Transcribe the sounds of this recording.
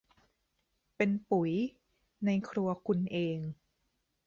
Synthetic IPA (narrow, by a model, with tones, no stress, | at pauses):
pe˧npu˩˦j | na˧jkʰɾu˧ɐkʰu˧nʔeː˧ŋ